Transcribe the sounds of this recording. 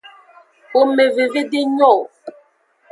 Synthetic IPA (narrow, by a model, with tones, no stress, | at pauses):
o˨me˨ve˨ve˦de˦ɲɔ˦˨